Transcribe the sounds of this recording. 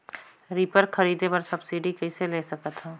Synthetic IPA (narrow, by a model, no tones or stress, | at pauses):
ɾiːpəɾxɐɾiːd̪epɐɾsɐbsiːɖikɐɪseleːsɐkət̪ɦãː